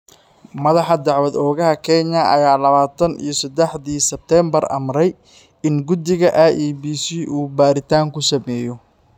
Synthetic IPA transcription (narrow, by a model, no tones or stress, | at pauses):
mɐðɑħɑd̪ɑʕwɐd̪ɔːɣɐɦɐkʰɛɲɐɐ̰jaːlɐβaːt̪ʰɐnḭjɞsɐd̪ɛħðiːsɛb̚t̪ʰɛːmbɐrɐ̰mɾɛj | ɪnɡʊd̪ɪɣɐʔaʔiːbiːsiːʔuːbaːɾɪt̪ʰaːŋkʰʊsɐmɛːjɔ